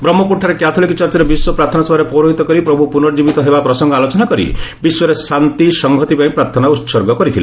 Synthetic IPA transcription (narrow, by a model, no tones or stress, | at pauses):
bɾɔmːɔpuʈʰːaɾekjat̪ʰolikɔt͡ʃaɾt͡ʃɔɾebiswɔpɾaɾt̪ʰɔnɔsɔɔɾepɔɾoɦit̪ɔkɔɾipɾɔbʱupunɔɾɔd͡ʒibit̪ɔɦebapɾɔsɔŋɡɔalot͡ʃɔnakɔɾḭbiswɔɾesant̪isɔŋɡʱɔt̪ipaĩpɾaɾt̪ʰɔnautːsɔɾɡɔkɔɾit̪ʰile